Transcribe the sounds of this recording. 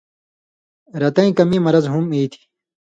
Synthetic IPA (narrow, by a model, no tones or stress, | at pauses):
ɾɐt̪ɐĩkɐmimɐɾɐzɦumiːt̪ʰi̥